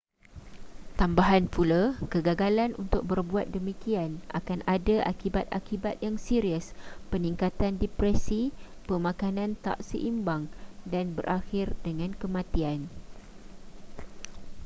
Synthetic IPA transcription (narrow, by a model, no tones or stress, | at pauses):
t̪ambaɦanpʰulakəɡaɡalanṵnt̪ʊk̚bərbuat̪̚dəmikiana̰kanʔadaʔa̰kibat̪̚a̰kibat̪̚jaŋsiɾiəspəniŋkat̪andɛpɾɛsipəmãkanãnt̪a̰ʔsə̰ʔimbaŋdanbərʔaxɪrdəŋãnkəmãt̪ian